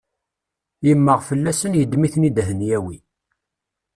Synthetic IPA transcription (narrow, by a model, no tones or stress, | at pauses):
jəmːəʁfəlːæsənjəd̪miθnid̪ɦənjæwi